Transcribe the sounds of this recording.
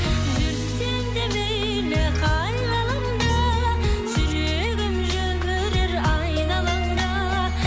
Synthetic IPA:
ʒʏɾ | send̪ebej | leqʰɑjnɑlˠɑnd̪ɑsʏɾe | ɡɪmʒɵmɪɾeɾɑjnɑlˠɑnd̪ɑ

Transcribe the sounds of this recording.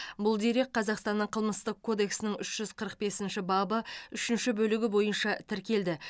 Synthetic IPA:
bʊlˠd̪eɾe̞kqʰːɑzɑqst̪ɑnːəɴqʰəlˠməst̪əq̚kʰːo̞d̪e̞ksɪnɪŋʏʃʒ̥ʏzqʰəɾəq̚be̞sɪnʃɪbɑbəʏʃɪnʃɪbɵlɪɡʲɪbo̞jənʃɑt̪ʰɪɾkʲe̞ld̪ɪ

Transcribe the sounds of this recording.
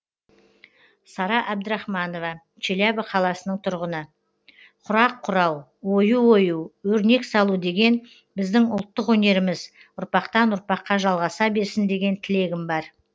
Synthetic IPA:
sɑɾɑʔæb̚d̪əɾɑχmɑno̞vɑ | t͡ʃʰelæbəqʰɑlˠɑsənəɴt̪ʰʊɾʁənə | qʰʊɾɑqʰːʊɾɑw | wo̞juwo̞juwɵɾne̞ksɑlˠud̪e̞ɡʲe̞n | bɪzd̪ɪŋʊlˠt̪ːəqwɵne̞ɾɪmɪz | ʊɾpɑqt̪ɑnʊɾpɑqːɑʒɑlˠʁɑsɑbe̞ɾsɪnd̪e̞ɡʲe̞nt̪ʰɪle̞ɡʲɪmbɑɾ

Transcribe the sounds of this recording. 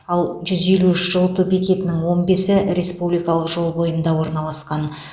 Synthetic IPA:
ɑlˠʒʏze̞luʏʃʒ̥əlˠt̪ubikʲe̞t̪ɪnɪŋwo̞nbe̞sɪɾe̞spublijkɑlˠəqʒo̞lˠbo̞jənd̪ɑwo̞ɾnɑlˠɑsqɑn

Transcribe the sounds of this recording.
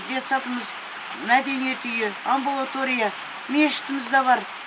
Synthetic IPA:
d̪e̞t̪sɑt̪əməz | mæd̪e̞nije̞t̪ʏjeambulˠat̪o̞ɾʲija | me̞ʃɪ̥t̪ɪmɪzd̪ɑβɑɾ

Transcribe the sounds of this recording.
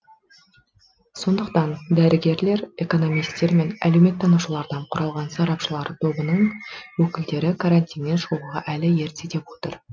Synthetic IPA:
so̞nd̪əq̚t̪ɑnd̪æɾɪɡʲe̞ɾle̞ɾe̞ko̞no̞mijst̪ːe̞ɾme̞næ̰lewme̞t̪ːɑnuʃəlˠɑɾd̪ɑɴqʰʊɾʔɑlˠʁɑnsɑɾɑpʃəlˠɑɾət̪ʰo̞bənəɴwɵkʲɪld̪e̞ɾɪkʰaɾanʲt̪ʲijnːenʃoʁəʁɑʔælɪje̞ɾt̪set̪e̞pwo̞t̪əɾ

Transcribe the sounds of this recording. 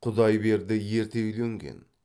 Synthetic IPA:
qʰʊd̪ɑjbe̞ɾd̪ɪje̞ɾt̪elɵŋɡʲḛn

